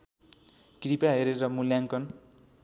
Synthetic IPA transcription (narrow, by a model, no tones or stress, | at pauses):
kripaɦeɾeɾʌmuljaŋkʌn